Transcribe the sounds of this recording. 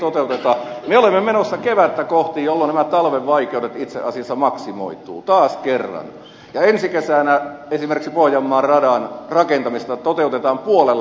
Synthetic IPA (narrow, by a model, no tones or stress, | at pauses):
t̪ot̪eut̪et̪ɑmeolemːemenosːɑkeʋæt̪ːækoht̪ijjolːonnæmæt̪ɑlʋeʋʋɑikeuɾet̪it̪sḛʔɑsiɑsːɑmɑksimo̰it̪ṵːt̪ɑːskerːɑ̰n | jɑensikesæːnæesimerksipohjɑmːɑːrrɑdɑnrɑkent̪ɑmist̪ɑt̪ot̪eut̪et̪ɑːmpuolel